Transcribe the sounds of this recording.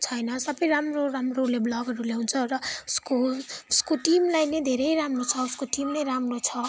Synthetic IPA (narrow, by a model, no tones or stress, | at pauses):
t͡sʰʌjnʌsʌbʌjɾamroramroleblʌɡʱʌɾuleɦunt͡sʰʌrʌu̥skouskoʈimlajnʌjd̪ʱeɾʌjɾamrot͡sʰʌuskoʈimnʌjɾamrot͡sʰʌ